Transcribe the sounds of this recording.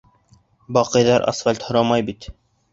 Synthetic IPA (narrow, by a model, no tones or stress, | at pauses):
bɑqɤ̆jðɑɾʔɑ̰sfalʲt̪hŏɾɑmɑjbit̪